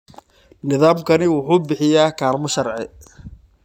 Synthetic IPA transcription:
nɪðaːmkʰɐnɪwʊħuːbɪħɪjaːkʰaːrmɐʃɐrʕɪ̰

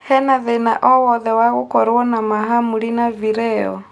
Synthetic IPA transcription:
hɛnaðɛnaʔɔwɔðɛwaɣukɔɾɔnamaɦamuɾinaviɾɛɔ̰

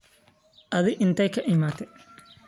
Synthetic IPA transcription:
ʔɐðɪʔɪnt̪ʰɛjkʰɐʔɪmaːt̪ʰɛ

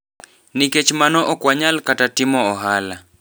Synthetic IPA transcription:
niket͡ʃmanɔʔɔkwaɲalkatatɪmɔɔɦala

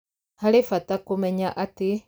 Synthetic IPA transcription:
halifatakumɛɲaʔati

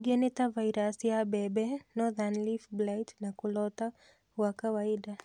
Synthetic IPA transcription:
ɡenitavaiɾasjabɛbɛnɔðanlifblajtnakulɔta | wakawaida

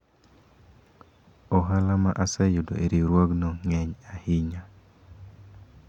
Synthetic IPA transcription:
ɔɦalama̰ʔasajudo̰ʔeɾiɾwaɡnɔŋɛɲahɪɲa

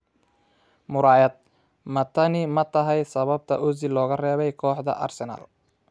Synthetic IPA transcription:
mʊɾaːjɐd̪̚ | mɐt̪ʰɐnɪmɐt̪ʰɐɦɛjsɐβɐb̚t̪ʰɐ̰ʔʊzɪlːɔːɣɐrɛːβɛjkʰɔːħd̪ɐ̰ʔɐ̰rsɛnɐ̰l

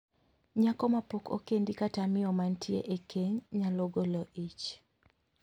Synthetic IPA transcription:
ɲakɔmapoko̰kendikatamɪɔmantʰiḛʔekʰeɲɲaloɡolɔʔit͡ʃ

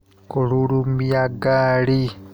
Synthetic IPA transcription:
kolulumijaɡaːli

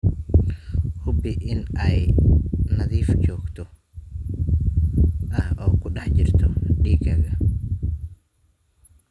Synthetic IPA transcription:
hʊbɪʔɪnɛj | nɐðiːft͡ʃɔːɡt̪ʰɔ | ʔɐhʔɔːkʰʊɗɐħd͡ʒɪrt̪ʰɔɖiːɡɐɣɐ

